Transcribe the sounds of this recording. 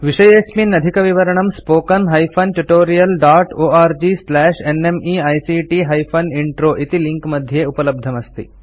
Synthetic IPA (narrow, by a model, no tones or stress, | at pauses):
ʋiʂɐjesminɐd̪ʱikɐʋiʋɐɾɐɳɐmspoːkɐnɦɐjpʰɐnʈuʈoːɾijɐlɖaːʈoːaːɾd͡ʒiːslɛːʂenemiːɐjsiʈiːɦɐjpʰɐniɳʈɾoːʔit̪iliŋkmɐd̪ʱjeːupɐlɐb̚d̪ʱɐmɐst̪ḭ